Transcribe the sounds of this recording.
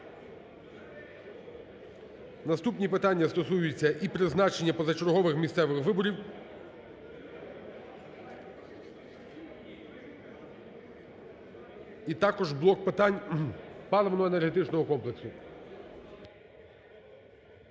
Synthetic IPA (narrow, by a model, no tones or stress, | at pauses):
nɐst̪upnʲipɪt̪ɑnʲːɐst̪ɔsujʊt͡sʲːɐʔipɾɪznɑt͡ʃenʲːɐpɔzɐt͡ʃɔɾɦɔʋɪxmʲist̪sɛʋɪxʋɪbɔɾʲiw | it̪ɑkɔʒblˠɔk̚pɪt̪ɑnʲpɑlˠɔʋɔnɔɔenerɦet̪ɪt͡ʃnɔɦɔkɔmpleksʊ